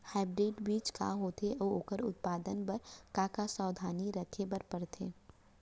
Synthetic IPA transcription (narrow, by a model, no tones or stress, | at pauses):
haːbɾɪːʈbiːt͡ʃka̰ɦoːt̪eʔoːoːkəɾʊ̰t̪̚paːd̪ənbɐɾkaːkasaːd̪ʱaːniɾɐkʰebɐɾpɐɾt̪ʰeː